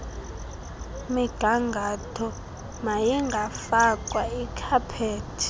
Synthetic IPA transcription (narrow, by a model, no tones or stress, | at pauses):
miɡ̥ʱaŋɡʱatʰɔ | majɛŋɡʱafakʼwaikʰapʰeːtʰi̥